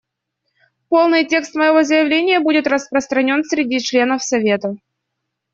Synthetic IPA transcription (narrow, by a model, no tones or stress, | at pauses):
po̞lˠnɨjtʲe̞kst̪məjɪvo̞zəjɪvlʲenʲɪjəbudʲɪt̪rəspɾəst̪ɾɐnʲo̞nsʲɾʲɪdʲit͡ɕlʲe̞nəfsɐvʲe̞t̪ə